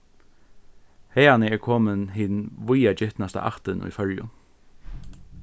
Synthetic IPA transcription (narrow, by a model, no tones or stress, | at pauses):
hɛːanəɛːɹkʰoːmənɦɪnʋʊjad͡ʒɪht̪nast̪a̰ʔa̰ht̪ənʊ̰jfœɹjʊ̰n